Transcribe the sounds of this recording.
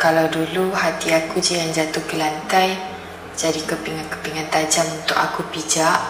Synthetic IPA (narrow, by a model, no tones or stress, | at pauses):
kalawduluhat̪iakud͡ʒijand͡ʒat̪ʊhɡəlant̪aj | d͡ʒadikəpiŋankəpiŋant̪ad͡ʒamunt̪ʊkakupid͡ʒaʔ